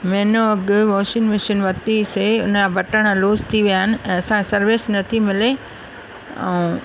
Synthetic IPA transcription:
mɛ̃ːnoɐɡʊʋoːʃɪnmɪʃənʋɐt̪iseʊ̰n̤ãbʱɐʈəɽ̃ãloːzt̪ʰiʋijaːɪnɪ̆ɛ̃ːɐsãsɐɾʋɪsnɐt̪ʰimɪle | ɛ̰ː

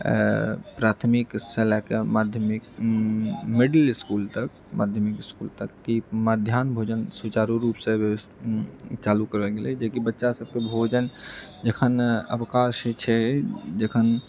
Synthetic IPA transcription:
pɾaːt̪ʰmikselakemaːd̪ʱjəmik | mɪɖəlɪskuːlt̪ək̚ | ma̰ːd̪ʱjəmikɪskṵːlt̪əkːimad̪ʱjaːnbʱoːd͡ʒənsut͡ʃaːɾuɾuːpsẽbjeəst̪t͡ʃaːlukəɾʋɛlɡeled͡ʒekibətːʃasəb̚kebʱoːd͡ʒənd͡ʒekʰənə̰bkaːʃet͡ʃʰɛd͡ʒekʰən

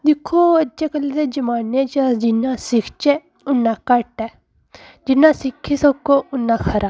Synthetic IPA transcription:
d̪ɪkʰːoːəd͡ʒeːkəled̪eːd͡ʒəmaːnet͡ʃəd͡ʒɪnãːsɪkʰt͡ʃeː | ʊnːãːkəʈɛː | d͡ʒɪnːãːsɪkʰːeːsəkːoːʊnːãːkʰəɾʔaː

